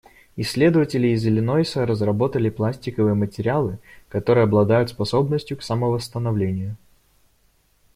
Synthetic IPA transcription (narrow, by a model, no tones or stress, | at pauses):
ɪsʲːlʲe̞d̪əvətʲɪlʲɪːzʲɪlʲɪnojsəɾəzrɐbo̞t̪əlʲɪplˠasʲtʲɪkəvɨjəmətʲɪɾʲɪalˠɨkɐt̪o̞ɾɨjəɐblˠɐd̪ajʊt̪spɐso̞bnəsʲtʲjʊksaməvəst̪ənɐvlʲenʲɪjʊ